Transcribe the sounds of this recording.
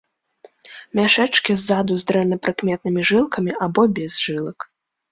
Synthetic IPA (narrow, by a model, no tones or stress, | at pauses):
mʲaʂɛt͡ʂkʲizːad̪uzd̪ɾɛnɐpɾɨkmʲɛt̪̚nɨmʲiʐɨlˠkɐmʲiabɔbʲɛzʐɨlˠɐk